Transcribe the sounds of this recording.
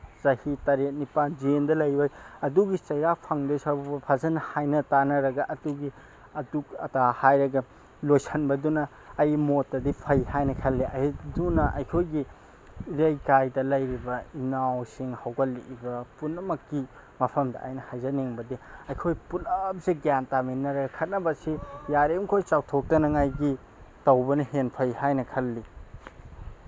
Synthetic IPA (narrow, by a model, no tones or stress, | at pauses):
zɐhitɐɾet̚nipanziendɐlɐjbɐjɐduɡit͡ʃɐjɾak̚pʰaŋlojsawbɐbɐpʰazɐnɐhajnɐtanɐɾɐɡɐʔɐduɡi | ɐdukɐ̰tahajɾɐɡɐ | lojsɐnbɐdunɐː | jmotːɐdipʰɐjhajnɐkʰɐlːeʔɐjdunɐʔɐ̰jkʰojɡi | iɾɐjkajdɐlɐjɾibɐinawsiŋhawɡɐliʔibɐpunɐmɐkːi | mɐpʰɐmdɐ̰a̰jnɐhajzɐniŋbɐdiɐjkʰojpulɐp̚ziɡjantaminːɐɾɐɡɐkʰɐt̚nɐbɐsijaɾeŋkʰojt͡ʃawtʰok̚tɐnɐŋajɡi | tɐwbɐnɐhenpʰɐjhajnɐkʰɐlːi